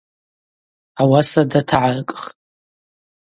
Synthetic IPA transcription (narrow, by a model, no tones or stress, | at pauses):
awasadatʰaʕarkʼχtʼ